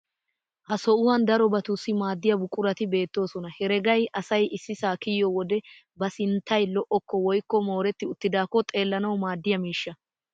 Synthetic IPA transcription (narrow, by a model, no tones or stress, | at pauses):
hɐsɔʊwɐnd̪ɐɾɔbɐt̪ʊsːɪmaːd̪ːɪjɐbʊkʼːʊɾɐt̪ɪbe̞ːt̪ːo̞ːsɔnɐhɛɾɛɡɐjɐsɐjʔɪsːɪsaːkɪjːɔwɔd̪ɛ | bɐsɪnt̪ːɐjlɔʔɔkːɔwɔjkːɔmo̞ːɾɛt̪ːɪʊt̪ːɪd̪aːkːɔt̪ʼe̞ːlːɐnɐwmaːd̪ːɪjɐmiːʃːɐ